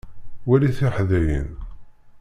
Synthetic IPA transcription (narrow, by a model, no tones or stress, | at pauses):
wæliθɪħðæjə̰n